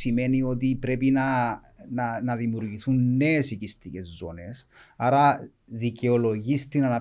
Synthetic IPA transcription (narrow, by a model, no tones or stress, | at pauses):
sime̞nio̞t̪̬ipɾe̞pinɐ | nnɐðimuɾʝiθunːe̞ːsicist̪ice̞zːo̞̰ne̞sɐɾɐ | ðiceolo̞ʝist̪inɐnɐ